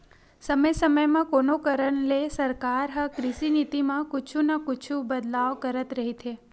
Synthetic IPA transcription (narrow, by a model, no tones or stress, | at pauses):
səməjsəməjmãkonokəɾəɳlesəɾkaɾɦə̃kɾɪʃinit̪imãkʊt͡ʃʰunakʊt͡ʃʰũbəd̪laʋkəɾət̪ɾəɦit̪ʰe